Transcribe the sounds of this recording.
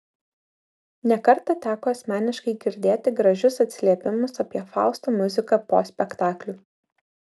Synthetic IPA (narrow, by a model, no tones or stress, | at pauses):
nʲɛkɐɾt̪ɐt̪ʲæːkoːɐsʲmʲæːnʲɪʃkɐɪɡʲɪɾʲd̪ʲeːt̪ʲɪɡɾɐʒʲʊsɐt̪ʲsʲɪlʲiɛpʲɪmʊsɐpʲiɛfɑˑʊst̪oːmʊzʲɪkɐpo̰ːsʲpʲɛkt̪ɑːklʲu